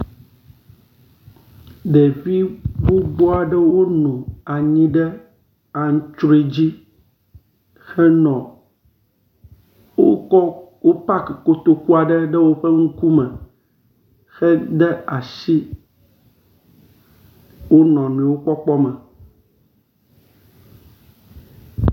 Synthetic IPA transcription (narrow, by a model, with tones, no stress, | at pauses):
ɖe˨vi˦wo˦ɡ͡bɔ˦a˨ɖɛ˦wo˦nũ˨a˨ɲĩ˦ɖɛ˦ | a˨ŋ̩̃˦t͡ʃɾe˨d͡ʑi˦ | xɛ˦nɔ̃˨ | wo˦ɔ˦wo˦pa˦kɛ˨ko˦t̪o˦ku˦a˨ɖɛ˦ɖɛ˦wo˦ɸɛ˦ŋ̩˦ku˦mɛ̃˨ | xɛ˦d̪ɛ˦a˨ʃi˦ | wo˦nɔ̃˨nẽ˨˦wo˦k͡pɔ˦k͡pɔ˦mɛ̃˨